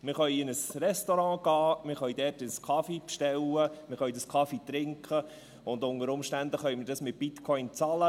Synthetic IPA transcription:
mɪɾχœjɪnəsɾɛstoɾɑ̃ːɡ̥ɑːmɪɾχœʏdɛːrtɪskʰɑfipʃtɛlːəmɪχœjdəskʰɑfit̪ɾɪŋkχə | ʊnd̪ʊnəɾʊmʃtænd̪əχœjmɪɾdɑsmɪt̚b̥ɪt̪kʰɔʏnt͡sɑlə

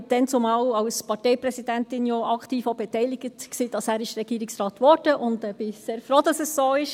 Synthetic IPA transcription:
d̥ɛnt͡sʊmɑːlɑwspɑɾtɛɪprɛsid̥æntɪnjoɑktiːfobɛtɛjlɪɡətksiːd̥ɑsæːɾɪʃɾɛɡiːɾɪksrɑːt̪ʋɔɾd̥əʔʊndɛb̥ɪseːɾfroːd̥ɑsɛssoːɪʃ

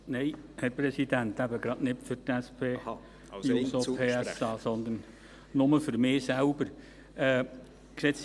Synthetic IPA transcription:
nɛɪhæɾpɾɛsidænt̪æbəɡ̥ɾɑtnɪtfʏɾtæspʰeː | nsopʰeːsɑːsɔnd̪ən | nʊməfʏɾmɪːsælbəɾ | ʔɛː | ksets

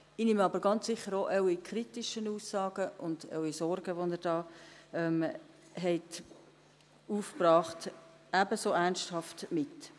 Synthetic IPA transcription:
inɪmɑbəɾɡɑnt͡ssɪχːəɾoʔɛwikʰɾitiʃənuːsːɑːɡ̥əʔʊndɛ̰wisɔrɡ̥əʋonəɾd̥ɑːɛm | ɦɛɪt | uːfpɾɑːχt | æbəsoːænsthɑftmɪt

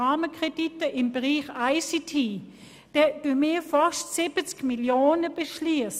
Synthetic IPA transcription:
aːməkʁ̥editəʔɪmbəʁiːχaɪsitʰiː | d̥ɛd̥umɪfaʃtsɪb̥ət͡skmiljoːnəb̥əʃliəs

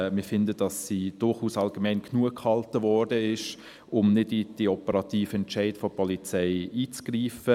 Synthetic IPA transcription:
mɪfɪndəd̥ɑsid̥ʊɾχuːsɑlɡ̥əmɛɪnkʰnuəkhɑltəvɔɾdəɪʃ | ʊmnɪdid̥iɔpəɾɑt̪iːfəɛntt͡ʃæɪtfɔpʰɔlit͡sɛɪiːt͡sɡ̥riːfə

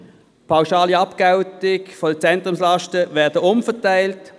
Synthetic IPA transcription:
pʰaʊʃaːliɑpkaʊtɪkfɔdət͡sɛntʁʊmslɑʃtəvɛɐdəʊmfətaɪlt

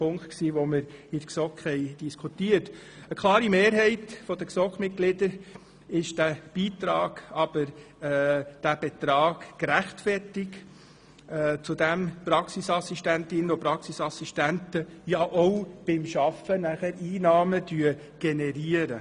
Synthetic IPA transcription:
pʰʊŋktksiːʋoməɾɪdksɔkhɛɪd̥iskʰutiːət | əkʰlɑːɾimeːɾɦɛɪtfɔd̥̪əksɔkχmɪt̚ɡ̥lɪd̥̪əɾ | ɪʃd̥æb̥iːt̪ɾɑːɡ̥ɑb̥əɾ | d̥æb̥ɛt̪ɾɑːɡ̥ːɾæχtfɛɾtɪɡ | t͡sud̪æmpɾɑksisɑsiʃtæntɪnəopɾɑksisɑsiʃtæntəjɑʔɔwb̥ɪmʃɑfənæχæɾʔiːnɑːmədyə | ɡ̥ɛnɛɾiəɾə

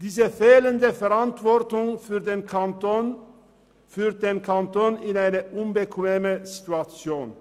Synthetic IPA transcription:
d̥iːzəfeːlənd̪əfɛʁantvɔʁtʊŋfyːʁdeːnkʰanton | fyːʁt̚d̥̪eːnkʰant̪oːnɪnaɪnəʔʊnbəkʰʋeːməzit̪uat͡sjoːn

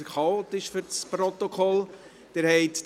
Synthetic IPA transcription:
χɑoːt̪ɪʃfyɾspɾot̪okʰɔl | d̥eɾhɛɪtt

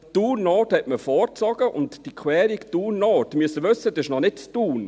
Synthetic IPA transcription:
tuːnːoːthɛtməfɔːɾt͡sɔɡ̥əʔʊ̰ntd̥ikʰwɛːɾiktuːnoːtmyəsəʋʏsːədɛɪʃnɔnɪt̚t͡stuːn

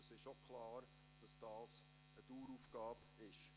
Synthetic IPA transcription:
əsɪʃokʰlɑːr | d̥ɑsd̥ɑːs | əd̥uːɾuːfɡ̥ɑːb | ɪʃ

